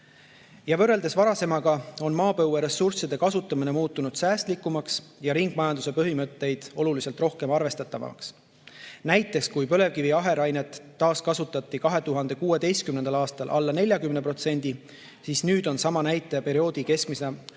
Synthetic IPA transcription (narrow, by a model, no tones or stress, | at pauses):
jɑvɤrːe̞ld̪̥e̞svɑɾɑse̞mɑɡ̥ɑo̞nmɑːpɤwːeɾe̞sursid̪e̞kɑsut̪ːˑɑmine̞muːt̪ˑːunud̪̥sæːst̪likːˑumɑksjɑɾiŋɡ̥̚mɑjɑnd̪use̞pɤɦimɤt̪ːe̞jd̪̥o̞lulise̞lt̪ro̞hke̞mɑrve̞st̪ɑt̪ːˑɑvɑ̰ks | næjt̪ːˑe̞kskujpø̞le̞vkiviɑɦe̞ɾɑjne̞t̪ːɑːskɑsut̪ːˑɑt̪ːˑikɑɦe̞t̪uɦɑnd̪̥e̞kuːe̞d̪e̞jst̪̚kymnend̪ɑlɑːst̪ɑlʔɑ̰lːɑne̞lʲjɑkymne̞pro̞t̪se̞nʲd̪̥i | siːsnyːd̪̥o̞nsɑmɑnæjt̪ːˑe̞pe̞ɾio̞ːd̪ike̞skmise